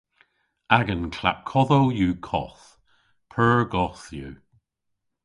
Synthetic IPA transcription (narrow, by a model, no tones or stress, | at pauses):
aɡənkʰla̰kʰːɔðowjuːkʰɔ̰θ | pʰɜːɹɡɔθjuː